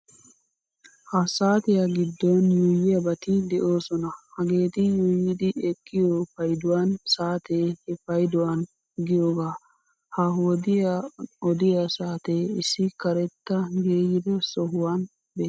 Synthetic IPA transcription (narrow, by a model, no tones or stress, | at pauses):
hɐsaːt̪ɪjaɡɪd̪ːɔnjujːɪjɐbɐt̪ɪd̪ɛʔo̞ːsɔnɐhɐɡe̞ːt̪ɪjujɪd̪ɪɛkʰːɪjopɐjd̪ʊwansaːt̪ehɛfɐjd̪ʊwɐn | ɡɪjoːɡaː | hɐwɔd̪ɪjɔd̪ɪjɐsaːt̪eɪsːɪkɐɾɛt̪ːɐɡe̞ːjɪd̪ɛsɔɦʊwan | beː